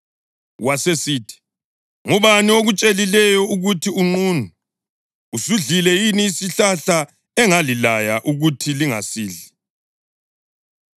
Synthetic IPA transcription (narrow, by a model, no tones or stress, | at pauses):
wasesiːtʰi̥ | ŋuβanioɣut͡ʃʼelilɛjɔuɣutʰiuŋ͡ǀuːnu | usuɮilɛjiniːsiɬaɬa | ɛŋalilajaʔuɣutʰiliŋa̰siːɮi